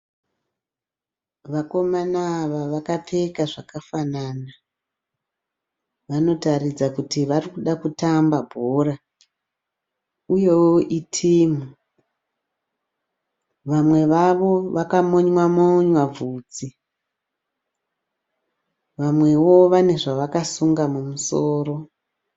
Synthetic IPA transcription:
ʋako̞manaʋaʋakapʰekaʐakafanana | ʋano̞tarid͡zakutiʋarikuɗakutambabʱora | uje̞woʔitʰiːmu | ʋamwe̞ʋaʋo̞ʋakamoɲwamoɲwavuːd͡zi | ʋamwe̞wo̞ʋane̞ʐaʋakasuŋɡamumusoːro̞

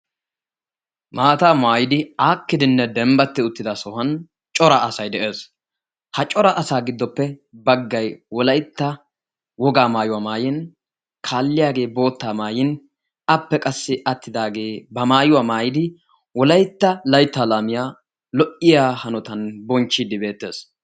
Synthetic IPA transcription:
maːt̪aːmaːjɪd̪ɪaːkːɪd̪ɪnːɛd̪ɛmbɐt̪ːɪʊt̪ːɪd̪ɐsɔhɐn | t͡ʃʼɔɾɐʔɐsɐjd̪ɛʔeːs | hɐt͡ʃʼɔɾɐʔɐsaːɡɪd̪ːɔpːɛbɐɡːɐjwɔlɐjt̪ːɐ | wɔɡaːmaːjʊwaːmaːjɪn | kʰaːlːɪjaːɡe̞ːbo̞ːt̪ːaːmaːjɪn | ɐpːɛkʼɐsːɪʔɐt̪ʰːɪd̪aːɡe̞ːbɐmaːjʊwaːmaːjɪd̪ɪ | wɔlɐjt̪ːɐlɐjt̪ːaːlaːmɪjaː | lɔʔɪjaːhɐnɔt̪ɐnbɔnt͡ʃːɪd̪ɪbe̞ːt̪ːe̞ːs

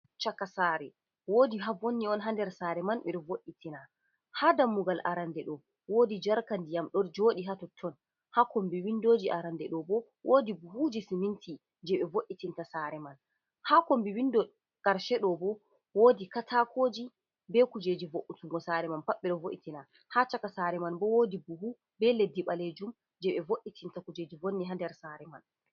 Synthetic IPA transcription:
t͡ʃakːasaːɾɛ | woːdiɦavonːiɔnɦandɛɾsaɾɛmanɓɛɗɔvoʔitina | hadamːuɡalʔa̰ɾandɛɗɔ | woːdid͡ʒaɾkandijamɗɔd͡ʒoːɗiɦatɔtʰːɔn | hakombiwindoːd͡ʒiʔaɾandɛɗɔbɔ | wʔoːdibhud͡ʒisimintʰi | d͡ʒɛɓɛvoʔːitintasaɾɛman | haːkombiwindɔ | kaɾʃɛɗɔbɔ | woːdikatʰakʰoːd͡ʒi | bɛkud͡ʒeːd͡ʒivoʔːutuŋɡɔsaɾɛmanpaɓːɛɗɔvoʔitina | hat͡ʃakasaɾɛmanbɔwodibuhu | bɛledːiɓaled͡ʒum | d͡ʒɛɓɛvoʔːitʰintakud͡ʒed͡ʒivonːiɦandɛɾsaɾɛman

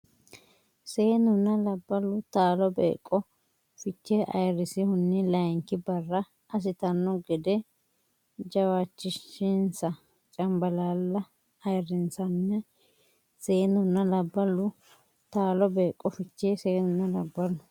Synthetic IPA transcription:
seːnʊnːɐlɐbːɐlːʊt̪aːlɔbḛːkʼːɔ | fɪt͡ʃːeʔɐ̰jɾɪsɪhʊnːɪlɐjŋkɪbɐrːɐ | ʔɐs̬ɪt̪ɐnːɔɡɛd̪ɛ | d͡ʒɐwaːt͡ʃːɪʃːɪnsɐ | t͡ʃʼɐmbɐlaːlːɐ | ɐjɾɪnsɐnːɛ | se̞ːnʊnːɐlɐbːɐlːʊ | t̪aːlɔbeːkʼːɔfɪt͡ʃːeseːnʊnːɐlɐbːɐlʊ

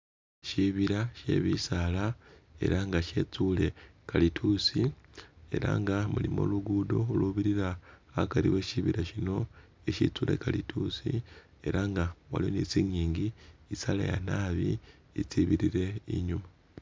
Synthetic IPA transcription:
ʃiβiɾaʃe̞̰βisalae̞̰ɾaŋɡaʃe̞ːt͡sule̞kalitʰusie̞̰ɾa̰ŋɡamulimo̰luɡuːdoluβiɾiɾaakaɾiwe̞ʃiβiɾaʃino̞ | eʃit͡sule̞̰kalitʰusi | e̞ɾaŋɡawa̰lioniːt͡siɲiːɲɡiːsala̰ja̰naːβi | it͡siβiɾiɾe̞iɲuma

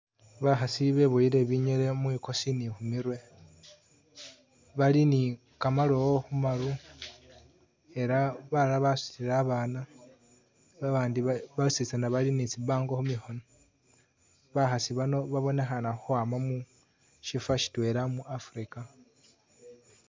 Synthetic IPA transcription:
βaxasiβe̞βoiɾe̞βiɲeɾe̞mwiko̞sinixumiɾwe̞ | βalini | kamalo̞woxumaɾu | e̞ɾaβalaβasu̥siɾaβaːna | βaβaːndiβasisanaβalinit͡siβaːŋɡoxumixo̞no | βaxasiβano̞βaβo̞ne̞xanaxuaːmamu | ʃifaʃi̥twe̞ɾamuʔafuɾika

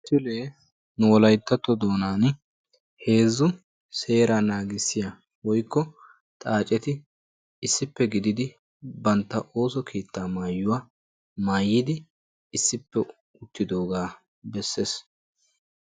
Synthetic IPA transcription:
sɪleː | nʊwɔlɐjt̪ːɐt̪ːɔd̪o̞ːnaːn | he̞ːzːʊ | se̞ːɾanaːɡɪsːɪja | wɔjkːɔ | t̪ʼaːt͡ʃʼɛt̪ɪ | ɪsːɪpːɛɡɪd̪ɪd̪ɪ | bɐnt̪ːɐʔo̞ːsɔkʰeːt̪ːaːmaːjːʊwaː | maːjːɪd̪ɪː | sːɪpːɛ | ʊt̪ːɪd̪o̞ːɡaː | bɛsːe̞ːs

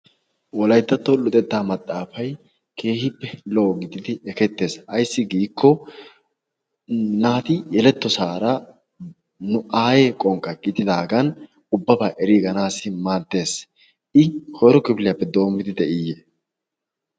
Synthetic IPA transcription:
wɔlɐjt̪ːɐt̪ːɔlʊt̪ʼɛt̪ːaːmɐt̪ʼːaːfɐj | kʰe̞ːhɪpːɛlɔʔɔɡɪd̪ɪd̪ɪɛkɛt̪ːe̞ːsɐjsːɪɡiːkʰːɔ | naːt̪ɪjɛlɛt̪ːɔsaːɾɐ | nʊaːje̞ːkʼɔŋkʼːɐɡ̥ɪd̪ɪd̪aːɡɐn | ʊbːɐbaːʔɛɾiːɡɐnaːsɪmaːd̪ːe̞ːs | ʔɪhɔjɾɔkɪbɪlɪjapːɛd̪o̞ːmːɪd̪ɪd̪ɛʔɪjeː

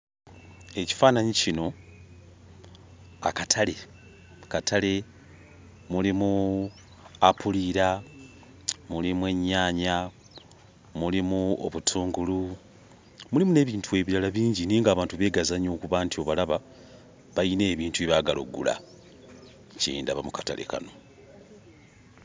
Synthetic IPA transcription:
e̞ci̥faːnaɲicino̞ | a̰katʰale̞ | katʰale̞ | mulimu | apuliɾa | mulimwe̞ɲːaːɲa | mulimuo̰βutʰuːŋɡulu | mulimune̞ːβiːntʰue̞ːβiɾalaβiːɲɟiniːŋɡaːβaːntuβe̞ːɡazaɲoːkuβaːntio̞βalaβa | βajine̞ːβiːntueβaɡalo̰ɡːṵla̰ | cḛndaβamukata̰le̞̰ka̰no̞

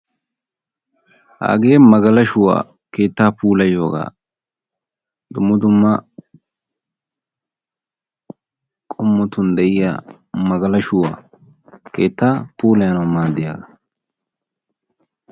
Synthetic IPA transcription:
ha̰ːɡeːmɐɡɐlɐʃʊwa̰ː | ke̞ːt̪ːaːpuːlɐjoːɡa̰ː | d̪ʊmːʊd̪ʊmːɐ | kʼɔmːʊt̪ʊnd̪ɛʔɪja̰ | mɐɡɐlɐʃʊwa̰ː | ke̞ːt̪ːaːpuːlɐjɐnɐmaːd̪ɪja̰ːɡɐ

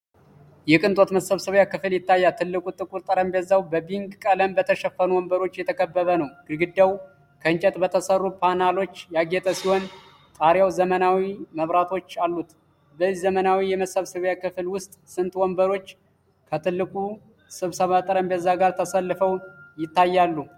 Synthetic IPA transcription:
jɛkʼɨnt̪ʼo̞t̪məsəβsɨβjakɨfɨljɪt̪ʰːajːat̪ʰɨlːɨkʼut̪ʼɨkʼuɾt̪ʼəɾəmbɛzawbəbiŋɡkʼələmbət̪ʰəʃɛfənuwɔmbəɾo̞t͡ʃːjɛt̪ʰəkʰəbːəβənəwɡ̥ɨɡɨd̪ːaw | kʰəɨnt͡ʃʼɛt̪ʼbət̪ʰəsərːupʰanalo̞t͡ʃːjaɡet̪ʼəsiho̞n | t̪ʼaɾjawzəmənawiməβɾat̪ʰo̞t͡ʃːalːut̪ | bəɨzzəmənawijɛməsəβsɨβjakɨflwʊst̪ʼsɨnt̪ʼwɔmbəɾo̞t͡ʃː | kʰət̪ʰɨlːɨkʼu | sɨβsəβat̪ʼəɾəmbɛzːaɡaɾt̪ʰəsəlːɨfəwjɪt̪ːajːalːu

